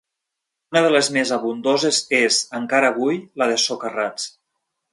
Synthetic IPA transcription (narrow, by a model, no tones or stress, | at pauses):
unəð̞əlezmezaβund̪ozezezəŋkaɾəːβujləðəsokərat͡s